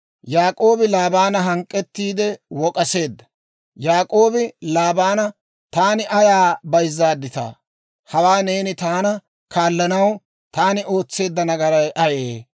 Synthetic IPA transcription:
jaːkʼo̞ːbɪlaːbaːnɐɦɐŋkʼːɛt̪ːiːd̪ɛwɔkʼɐse̞ːd̪ːɐ̥ | jaːkʼo̞ːbɪlaːbaːnɐ | t̪aːnɪʔɐjaːbɐjzːaːd̪ːɪt̪a̰ː | hɐwaːne̞ːnɪt̪aːnɐ | kaːlːɐnɐw | t̪aːnɪo̞ːt͡sːe̞ːd̪ːɐnɐɡɐɾɐjʔɐjeː

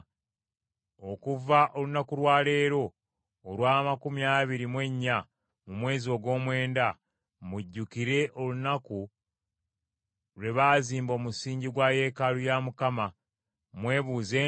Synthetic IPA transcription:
o̞kuvaʔo̞lunakulwaːle̞ːɾo̞ː | lwaːmakumjaːβiɾimwe̞ɲːa | mumwe̞ːzio̞ɡo̞ːmwe̞ːnda | muɟːukiɾe̞ʔo̞lunaku | ɾe̞βaːziːmbo̞ːmusiːɲɟiɡwaːje̞ːkalujamukama | mwe̞ːβuːze̞ː

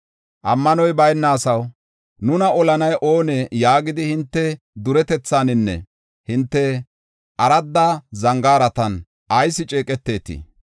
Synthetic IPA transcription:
ʔɐmːɐnɔjbɐjnːaːsɐw | nʊnɐɔlɐnɐjʔo̞ːnɛjaːɡɪd̪ɪhɪnt̪ːɛ | d̪ʊɾɛt̪ɛt͡sːaːnɪnːɛ̰ | hɪnt̪ːɛ | ʔɐɾɐd̪ːazɐŋɡaːɾɐt̪ɐn | ʔɐjsːɪt͡ʃʼeːkʼɛt̪ːe̞ːt̪ɪ̰

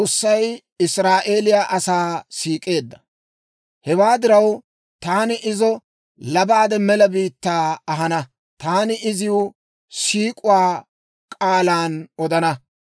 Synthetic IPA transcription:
osːɐj | ɪsɾaːʔe̞ːlɪjaːʔɐsaːsiːkʼe̞ːd̪ːɐ̥ | hɛwaːd̪ɪɾɐw | t̪aːnɪʔɪzɔ | lɐbaːd̪ɛmɛlɐbiːt̪ːaːɐɦɐnɐ | t̪aːnɪʔɪzɪʊ | siːkʼʊwaː | kʼaːlaːnɔd̪ɐnɐ

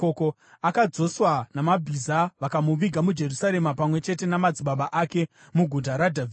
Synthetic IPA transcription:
oko | akad͡zo̞swanamabʱizaʋakamuʋiɡʱamud͡ʒe̞rusaɾe̞mapamwe̞t͡ʃe̞te̞namad͡ziɓaɓaʔake̞ | muɡʱutaɾadʱavi

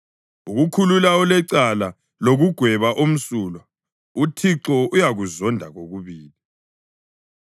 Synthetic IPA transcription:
uɣukʰululaɔlɛǀala | loɣuɡ̥ʱwɛβaʔom̩suːlɔ | utʰiǀɔujaɣuzɔndʱaɣoɣuβiːli

